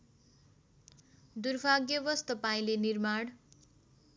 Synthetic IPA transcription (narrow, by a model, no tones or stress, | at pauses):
d̪urbʱaɡjʌbʌst̪ʌpaĩlenirmaɽ